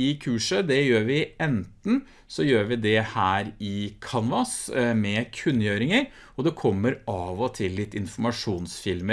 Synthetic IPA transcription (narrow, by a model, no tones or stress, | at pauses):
ɪkʰʉːʂəd̪ɛjøːɾʋɪɛnt̪n̩ | sɔjøːɾʋɪd̪ɛhæːɾɪkʰɑnʋɑsmɛkʰʉnːjøːɾɪŋəɾ | ɔd̪ɛkʰɔmːəɾɑːʋɔt̪ʰɪlːɪt̪ːɪnfɔmɑʂuːnsfɪlmə